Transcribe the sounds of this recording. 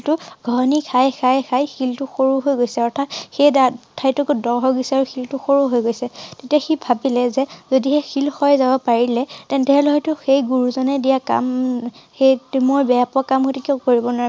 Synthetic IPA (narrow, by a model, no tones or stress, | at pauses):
tʊɡʱɔɦnikʰajxʰajxʰajxiltʊxoɹuɦojɡojsɛɔɹtʰatxejdatʰajtʊkʊdɔɹɦɔɡisɛaɹuxiltʊxoɹuɦojɡojsɛtetiaxibʱabilɛzɛzodiɦɛxilxɔjzabɔpaɹilɛtɛntɛɦɔlɛɦɔjtʊxejɡuɹuzɔnɛdijaka̰mxejtmoɹbɛapɔkamhojtukiɔkoɹibɔnaɹ